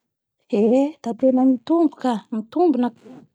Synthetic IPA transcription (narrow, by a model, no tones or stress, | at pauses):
ed̪̥at̪enamit̪umbukamit̪umbunak